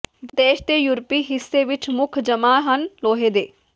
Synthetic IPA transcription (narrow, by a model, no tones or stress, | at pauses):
d̪eːʃt̪eːjuːɾpiːɦɪsːeːʋɪt͡ʃmʊkʰd͡ʒəmaːɦənloːɦeːd̪eː